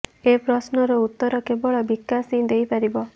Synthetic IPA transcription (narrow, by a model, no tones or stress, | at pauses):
epɾɔsnɔɾɔut̪ːɔɾɔkebɔɭɔbikːasĩd̪ejpaɾibɔ